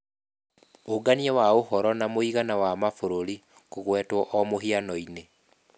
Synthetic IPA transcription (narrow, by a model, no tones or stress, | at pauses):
oɡaniɛwaohɔɾɔnamoiɣanawamafoɾoɾi | koɣwɛtwɔʔɔmoɦianɔine